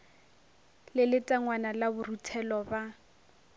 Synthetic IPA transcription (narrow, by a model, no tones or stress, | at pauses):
lɪlɪtʼaŋwanalabʊrutʰɛlɔba